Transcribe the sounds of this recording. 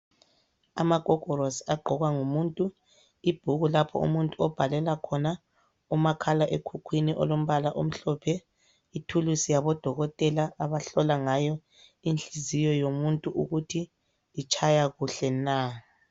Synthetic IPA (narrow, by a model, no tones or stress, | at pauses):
a̰maɡ̥ʱɔkɔɾosaɡ͡ǃʱɔɣwaŋumuːntʼu | ib̥ʱuɣulapʰɔ̰ṵmuntʼuɔb̥ʱalɛlakʰɔna | umakʰalaʔekʰukʰwiniʔɔ̰lom̩βalaʔom̩ɬɔpʰɛ | itʰulusijaβɔd̥ʱɔɣɔtʼɛlaʔaβaɬɔlaŋajɔ | inɬizijɔjomuntʼuʔuɣutʰi | lit͡ʃʼʰajaɣuɬɛna